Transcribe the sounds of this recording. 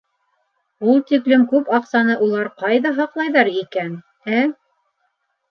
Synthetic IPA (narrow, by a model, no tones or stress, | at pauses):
ulˠt̪iklɘmkʉpɑqsɑnɤʔulˠɑɾqɑjðɑɦɑqlˠɑjðɑɾikæn | æ